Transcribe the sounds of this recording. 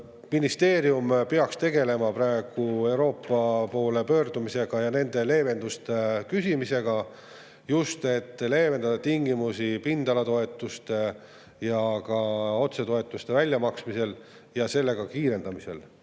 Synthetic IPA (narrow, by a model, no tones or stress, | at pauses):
minist̪e̞ːɾiumpeɑkst̪e̞ɡe̞le̞mɑpɾɑe̞ɡ̥ue̞uwɾo̞ːpːˑɑpo̞ːle̞pø̞ːrd̪̥umise̞ɡ̥ɑjɑne̞nd̪̥e̞le̞ːve̞nd̪ust̪ekysʲimise̞ɡ̥ɑ | just̪e̞t̪ːle̞ːve̞nd̪ɑd̪̥ɑt̪iŋɡimusipind̪̥ɑlɑt̪o̞e̞t̪ːˑust̪e̞ | jɑkɑo̞t̪se̞t̪oe̞t̪ːˑust̪e̞vælʲjɑmɑksmise̞l | jɑse̞lːe̞ɡ̥ɑkiːɾe̞nd̪ɑmise̞̰l